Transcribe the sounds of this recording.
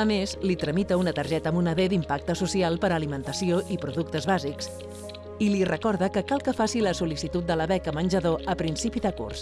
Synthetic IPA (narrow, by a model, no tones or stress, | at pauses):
əmezlit̪ɾəmit̪əunət̪əɾʒɛt̪əmunəðed̪impak̚t̪əsusialˠpəɾəlimənt̪əsioʔipɾuðukt̪əzβaziks | ilirəkɔɾðəkəkalˠkəfasiləsulisit̪ut̪̚d̪ələβɛkəmənʲʒəðoʔəpɾinsipiðəkṵrs